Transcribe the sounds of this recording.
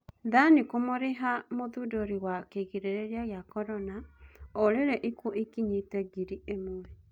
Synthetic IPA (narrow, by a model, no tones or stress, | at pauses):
ðanikomoɾeɦamoðuːdoɾewakeɣiɾeɾeɾiaɣjakɔɾɔnaoɾeɾeʔikuʔikiɲitɛɡiɾiemoɛ